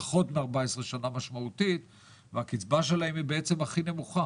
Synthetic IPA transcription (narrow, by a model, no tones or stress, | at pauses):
aχo̞t̪meaʁbaesʁe̞ʃanamaʃmaut̪it̪ | veakit͡sbaʃe̞lahemibeet͡se̞maχine̞muχa